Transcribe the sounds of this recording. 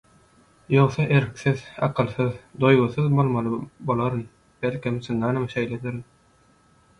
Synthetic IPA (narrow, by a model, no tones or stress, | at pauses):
jo̞wsɑʔe̞ɾkθiðɑqʰɯlˠθɯðd̪o̞jʁuθɯðbolˠmɑlˠɯbolˠɑɾɯn | b̥elʲkʰimsɯŋɑnɯmʃejled̪iɾn